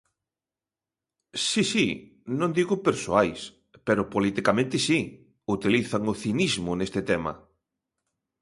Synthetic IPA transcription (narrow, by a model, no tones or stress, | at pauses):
sisi | nõnd̪iɣʊpeɾsoajs | peɾʊpolit̪ikamẽnt̪ɪsi | ut̪iliθaŋʊθinizmʊnest̪ɪt̪ɛmɐ̰